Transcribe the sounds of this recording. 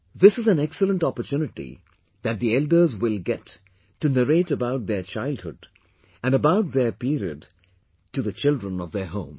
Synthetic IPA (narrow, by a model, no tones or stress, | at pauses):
ðɪsɨzæ̃nɛksələ̃ntɔpətjunɪʈḭ | ðæt̚ðiɛldə˞zwɪlɡɛtʰː | unəɾeːʈəbaʊʈ̚ðət͡ʃaɪld̚hʊ̰d | æ̃nəbaʊt̚ðəpiɾiə̰d | ʈuðət͡ʃɪldɹə̃nɔvðə˞ɦõʊ̃m